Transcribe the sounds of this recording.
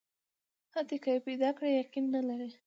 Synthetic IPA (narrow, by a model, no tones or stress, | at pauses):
hat̪ekajepejd̪ɑkɽejaqinːalaɾe